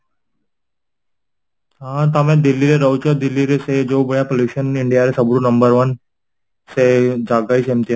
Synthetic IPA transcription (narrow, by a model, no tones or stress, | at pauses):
ɦãt̪amẽd̪ilːiɾeɾəwt͡ɕɔd̪ilːiɾesed͡ʑobəɭjapoljuɕəniɳɖijaɾesəbɾunəmbəɾʋən | sed͡ʑaɡaisemt̪i